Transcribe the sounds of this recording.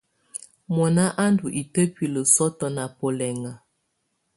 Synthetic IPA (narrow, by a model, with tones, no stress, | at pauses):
mɔ˨na˦ʔa˦ndu˨ʔi˨tə˦pi˨lə˨sɔ˦tɔ˦na˨po˨lɛ˨ŋa˨